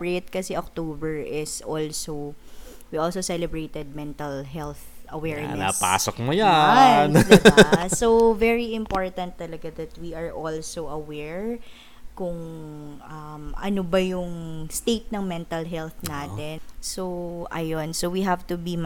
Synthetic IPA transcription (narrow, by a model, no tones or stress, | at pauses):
ɹɪt̪̚kɐsɛʔok̚t̪oːbɛɹʔɪsʔolsowiʔolsosɛlɛbɹejt̪ɛd̪̚mɛnt̪ɐlɦɛlθʔɐwɛɹna̰pa̰ːsok̚mʊjaand̪basovɛɹiɪ̃mpoɹt̪ɐnt̪ːɐlɐɡad̪ɐt̪wiɐɹʔolsoʔɐwɛɹ | kʊŋʔɐmʔɐ̰nobɐjʊŋst̪ejt̪̚nɐŋmɛnt̪ɐlɦɛlθnaːt̪ɛnsoʔɐ̰jonsowiɦavt̪ʊbim